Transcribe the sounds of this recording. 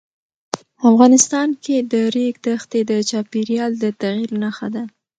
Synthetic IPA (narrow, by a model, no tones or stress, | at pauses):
afɣɑnɪst̪ɑnked̪əɾeɡd̪əxt̪ed̪ət͡ʃɑpeɾjɑld̪ət̪aɣiɾnaxad̪a